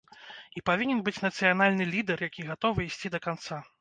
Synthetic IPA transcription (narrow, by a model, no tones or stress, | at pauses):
ipavʲinʲɛnbɨt͡sʲnɐt̪sɨjanalʲnɨlʲid̪ɛrjakʲiɣat̪ɔvɨisʲt͡sʲid̪ɐkant̪sa